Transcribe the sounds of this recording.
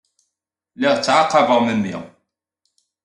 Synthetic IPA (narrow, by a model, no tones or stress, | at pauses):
liʁt͡sːʕaqːəvəʁməmːḭ